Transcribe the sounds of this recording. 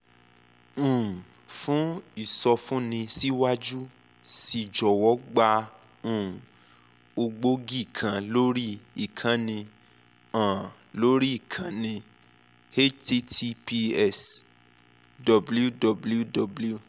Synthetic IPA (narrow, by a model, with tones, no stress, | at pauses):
ũ˨ | fũ˦i˦˨sɔ˧fũ˦nĩ˧si˦wa˦d͡ʒu˦ | si˧˨d͡ʒɔ˨wɔ˨˦ɡ͡ba˧ | ũ˨ | o˧ɡ͡bo˦ɡi˦˨kʰã˨lo˦ɾi˦i˨kʰã˨˦nĩ˧ | ã˨ | lo˦ɾi˦i˦˨kʰã˨˦nĩ˧ | he˦ti˧tʰi˧pi˧ɛ˦˨s | dɔ˨blu˦dɔ˨blu˦dɔ˨blu˦˧